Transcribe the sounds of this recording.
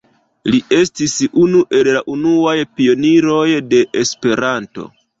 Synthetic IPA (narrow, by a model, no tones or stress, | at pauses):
lie̞stisunuʔe̞llaʔunuajpio̞niɾo̞jde̞ʔespe̞ɾanto̞̰